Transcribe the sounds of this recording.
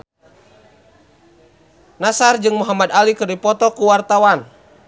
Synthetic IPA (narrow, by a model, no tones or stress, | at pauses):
nasard͡ʒɨŋmuɦamad̪alikɨrduipɔt̪ɔkuwart̪awan